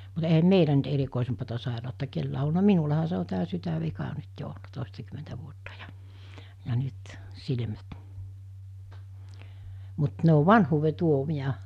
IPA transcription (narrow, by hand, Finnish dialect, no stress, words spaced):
mut eihæm meilæ nyt erikoˑesempɑtɑ sɑˑerɑˑotːɑ kelːæː o olnɑ minulɑhɑ se o tæː sytæʋikɑ nyt jo olnɑ toˑestɑkymentæ ʋuotːɑ jɑ̥ jɑ nyt silmæt mut ne o ʋɑnhuːʋe tuomiɑ